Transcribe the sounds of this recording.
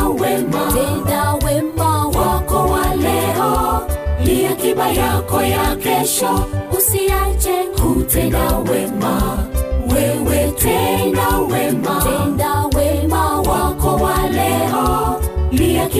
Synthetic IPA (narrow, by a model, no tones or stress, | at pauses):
wemaedawemawɔkɔwalɛɔliakibajakɔjakɛʃɔusiat͡ʃɛkʰutenawemawewetenawemaedawemãwakɔwalɛɔliak